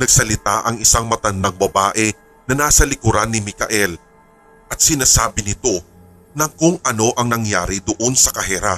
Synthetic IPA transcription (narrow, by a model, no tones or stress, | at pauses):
nɐɡ̚sɐlɪt̪aʔɐŋɪsaŋmɐt̪ɐnd̪ɐŋbɐbaːʔɛ | nɐnaːsɐlɪkʊɾanːɪmɪkɐ̰ʔɛl | ʔɐt̪̚sɪnaːsaːbɪnɪt̪o̞ | nɐŋkʊŋʔɐno̞ʔɐŋnɐŋjaːɾid̪ʊʔo̞nsɐkɐɦɛɾa